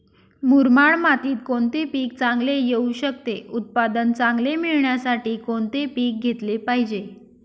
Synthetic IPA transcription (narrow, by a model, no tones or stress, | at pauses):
muɾmaɭmat̪iːt̪̚koɳt̪epiːk̚t͡sãŋɡlejeuɕək̚t̪eut̪̚pad̪ənt͡sãŋɡlemiɭɳjasaʈiːkoɳt̪epiːk̚ɡʱet̪lepaɦid͡ʑe